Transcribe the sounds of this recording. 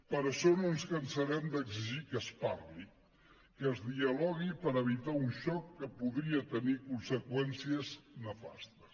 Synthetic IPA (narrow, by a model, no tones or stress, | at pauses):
pəɾəsonunskənsəɾɛmd̪əɡziʒikəspaɾli | kəːzðiəlɔɣipəɾəβ̞it̪aunʃɔkːəpuðɾiət̪ənikunsəkwɛnsiəznəfa̰st̪əs